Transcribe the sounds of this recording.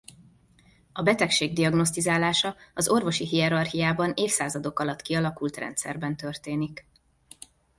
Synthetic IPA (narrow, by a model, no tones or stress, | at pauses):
ɒbɛt̪ɛkʃeːɡ̚d̪iɒɡno̞st̪izaːlaːʃɒɒzo̞rvo̞ʃiɦiɛɾɒrɦijaːbɒneːfsaːzɒd̪o̞kɒlɒt̪ːkiɒlɒkult̪rɛ̰nt̪sɛ̰rbɛnt̪ørt̪eːnik